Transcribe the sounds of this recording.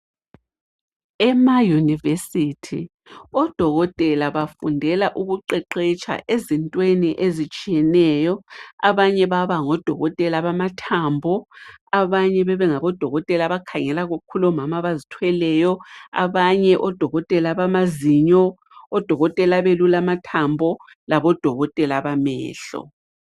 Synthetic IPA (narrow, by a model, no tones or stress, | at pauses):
ɛmajunivesitʰi | ɔd̥ʱɔɣɔtʼɛlaβafundʱɛlaʔuɣuǃɛǃet͡ʃʰʼa̰ʔezintʼweniʔezit͡ʃʼijɛnɛjɔaβaɲɛβaβaŋɔd̥ʱɔɣɔtʼɛlaβamatʰambʱɔaβaɲɛβɛβɛŋaβɔd̥ʱɔɣɔtʼɛlaβakʰaŋɛlaɣukʰulɔmamaβazitʰwɛlɛjɔa̰βaɲɛʔɔd̥ʱɔɣɔtʼɛlaβamaziɲɔ | ɔd̥ʱɔɣɔtʼɛlaβelulamatʰambʱɔ | laβɔd̥ʱɔɣɔtʼɛlaβamɛ̰ːɬɔ̰